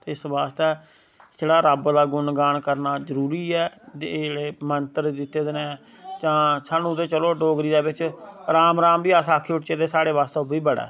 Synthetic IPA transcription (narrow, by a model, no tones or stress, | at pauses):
t̪eːɪsbaːst̪eː | d͡ʒeːɽaːɾəbd̪aːɡʊnɡaːɳkəɾnaːzəɾuːɾiːɛːd͡ʒd͡ʒeːɽeːmənt̪əɾd̪ɪt̪ːeːd̪ɪnẽː | t͡ʃãːsaːnũːd̪eːt͡ʃəloːɖoːɡɾiːd̪eːbɪt͡ʃɾaːmɾaːmbiːasaːkʰːeːʊʈt͡ʃeːd̪eːsaːɽeːʋaːst̪eʊbiːbəɽa̰ː